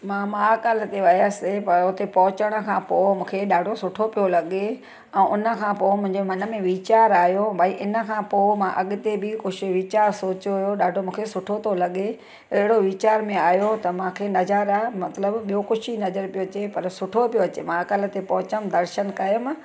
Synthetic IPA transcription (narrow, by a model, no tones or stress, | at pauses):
mãːmãːkəl̆t̪eʋɐjəsepɐɾʊt̪epɐɦʊt͡ɕəɽ̃ə̆kʰãːpoːmũːkʰeɗaːɖʱosʊʈʰopijolɐɠe | ɛ̃ːʔʊnə̆kʰãːpoːmʊ̃ɦɪɲd͡ʑomɐnə̆mẽʋiːt͡ɕaːɾaːjobʱaːiʔɪnə̆kʰãːpoːmãʔɐɠɪt̪ebʱɪkʊʃɪ̆ʋiːt͡ɕaːɾsoːt͡ɕoɦʊjoɗaːɖʱomũːkʰesʊʈʰot̪ʰolɐɠe | ɐɦɪɽoʋiːt͡ɕaːɾmẽaːjot̪ɐmãːkʰenɐzəɾamɐt̪ləbɓijokʊʃinɐzəɾpijoɐt͡ɕepɐɾsʊʈʰopijoɐt͡ɕemãːkəl̆t̪epɐɦʊt͡ɕəmd̪ɐɾʃənkɐjəm